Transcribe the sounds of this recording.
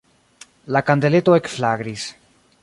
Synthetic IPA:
lakand̪e̞le̞t̪oe̞kflaɡɾis

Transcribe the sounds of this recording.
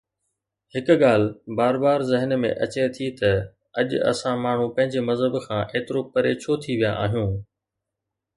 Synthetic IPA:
hɪkɠaːl̤baːɾbaːɾzɪɦənmḛ̃ʔɐt͡ɕet̪ʰit̪ɐ | ɐʄɐ̰sãmaːɳ̤ũpɐ̃ɦɪ̃ɲd͡ʑemɐzɦəbkʰãːʔeːt̪ɪɾopɐɾeːt͡ɕʰot̪ʰiʋijaʔaːɦijũː

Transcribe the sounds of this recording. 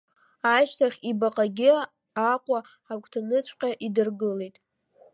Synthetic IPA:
aʃtʰaχʲibaqʼaɡʲɪ | aqʷʼa | ħakʷʰʼtʰanɨt͡ɕʷʰqʲʼaʔidɨrɡɨlejtʼ

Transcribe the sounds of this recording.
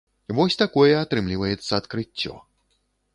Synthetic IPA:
vɔsʲt̪akɔjɛat̪ɾɨmlʲivɐjɛt̪sːɐːt̪kɾɨt͡sʲːɔ̰

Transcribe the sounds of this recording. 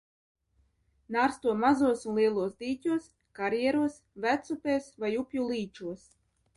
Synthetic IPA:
naɾst̪uɔmazuɔsunlˠiɛlˠuɔsd̪iːt̪ʲuɔs | kaɾjɛɾuɔs | væt̪supeːsvajupʲjulˠiːt͡ʃuɔs

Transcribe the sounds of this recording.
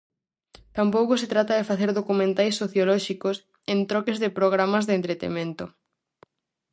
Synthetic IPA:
t̪ampowkoset̪ɾat̪ɐðefaθeɾðokumẽnt̪ajsːoθjolɔʃikos | ẽnt̪ɾɔkezðepɾoɣ̞ɾamɐzðent̪ɾet̪ḛmẽnt̪o

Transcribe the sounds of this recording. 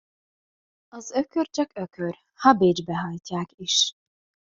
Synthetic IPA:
ɒzøkørt͡ʃɒkøkʰør | hɒbeːd͡ʒbɛɦɒjcaːkiʃ

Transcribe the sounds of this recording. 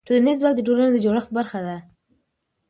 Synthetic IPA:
ʈolnizwak̪̚d̪əʈoɾanod̪əd͡ʒoɽəxt̪̚baɾxad̪a

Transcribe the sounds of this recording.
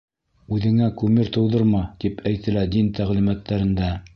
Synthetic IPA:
ʉðɘ̆ŋækʉmɘɾt̪ɤ̆wðɤɾmɑt̪ipʰæjt̪ɘ̆læd̪int̪æʁlimæt̪ːæɾɘ̆nd̪æ

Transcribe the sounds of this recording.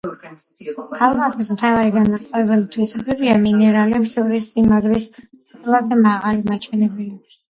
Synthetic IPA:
kʰalˠmazɛsmt̪ʰavaɾiɡanmasʼqʼɔɛbɛlˠit̪ʰwisɛbɛbiaminɛɾalɛpsɔɾisimaɡɾis | ɛt̪lad̪ɛmaʁalimat͡ʃʰwɛnɛbɛli

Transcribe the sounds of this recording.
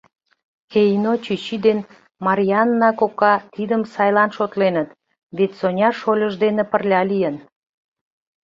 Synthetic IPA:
kejnot͡ɕyt͡ɕid̪en | mɑɾʲijɑnːɑkokɑt̪id̪əmsɑjlɑnʃot̪lenət̪ | βet̪sonʲɑʃolʲəʒd̪enepərlʲɑlijən

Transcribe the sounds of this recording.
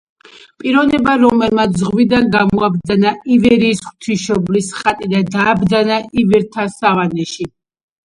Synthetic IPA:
pʼiɾɔnɛbaɾɔmɛlmat̪ʰzʁwid̪anɡamɔab̚d̪zanaivɛɾiːsχt̪ʰiʃɔblisχʼat̪ʼid̪ad̪aːbd̪zanaivɛɾt̪ʰasavanɛʃi

